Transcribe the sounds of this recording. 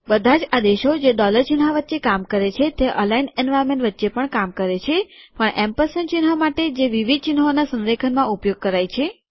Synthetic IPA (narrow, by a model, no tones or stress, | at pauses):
bəd̪ʱãd͡ʒad̪eʃod͡ʒeɖɔləɾt͡ʃinɦaʋət̪ːt͡ʃekamkəɾet͡ʃʰet̪eʔə̰lainɛnʋajɾmẽɳʈʋət̪ːʃepəɳkamkəɾet͡ʃʰepəɳɛmpəɾsənt͡ʃinɦamaʈed͡ʒeʋiʋid̪̚t͡ʃinɦonasə̃nɾekʰənmãupjoɡ̚kəɾajt͡ʃʰe